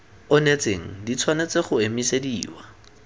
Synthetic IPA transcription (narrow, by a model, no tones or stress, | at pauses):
ʊnet͡seŋ̩dit͡sʰwanet͡seχʊemisediːwa